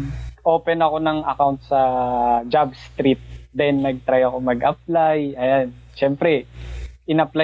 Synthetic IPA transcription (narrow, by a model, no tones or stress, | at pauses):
ʔoːpɛnɐko̞nɐŋʔɐkawnt̪̚sɐd͡ʒabst̪ɾit̪̚d̪ɛnːɐɡ̚t̪ɾajɐko̞mɐɡʔɐp̚lajʔɐjan | ʃɛmpɾɛʔɪnɐpla